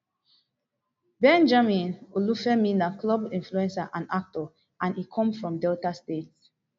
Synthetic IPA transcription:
bɛ̃nd͡ʒamĩnolufɛmĩnaklɔbĩnfluɛ̃nsaʔãnak̚tɔ | ʔãnikʰɔ̃mfɹɔ̃mdɛltastets

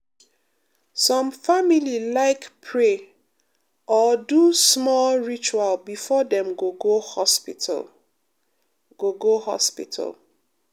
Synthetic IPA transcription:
sɔ̃mfamililaɪkpʰɹe | ʔɔdusmɔlɹit͡ʃualbifɔdɛ̃mɡoɡohɔspitl | ɡ̥oɡohɔ̰spḭtʰa̰l

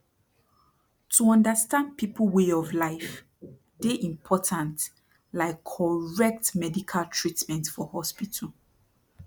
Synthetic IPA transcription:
tʰuɔ̃ndəstãnd̚piplweɔvlaɪf | deʔĩmpʰɔtʰãnt | laɪkʰːɔɹɛk̚tmɛdikʰaltʰɹitmɛ̃ntfɔhɔspitʰl

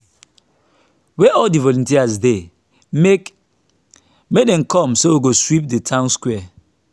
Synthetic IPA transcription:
wɛʔɔldivɔlũntiazde | me | mek̚dɛ̃nkʰɔ̃msowiɡoswip̚ditʰãʊ̃nskwɛa

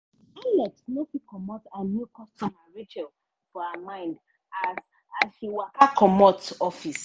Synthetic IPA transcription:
alɛktnɛtikɔmɔtanjukɔstɔmaɹitɛl | fɔhamãɪ̃nd | az | asʃiwakakɔmɔtɔfis

